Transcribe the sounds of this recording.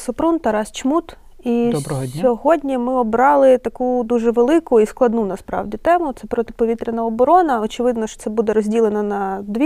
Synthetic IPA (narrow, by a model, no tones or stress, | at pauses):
sɔpɾunt̪ɐɾɑst͡ʃmut̪ | iɔsbɾɔɦʲɔɦɔdʲnʲimɪɔbɾɑlˠɪt̪ɐkud̪uʒɛʋelˠɪkʊisklˠɐd̪nunɐspɾɑ̰wdʲit̪ɛmʊt̪sɛpɾɔt̪ɪ̥pɔʋʲit̪ɾʲɪnɐɔbɔɾɔnɐɔt͡ʃɪʋɪd̪nɔʃt͡ʃt̪sɛbud̪ɛɾɔzʲdʲilˠenɐnɐd̪ʋʲi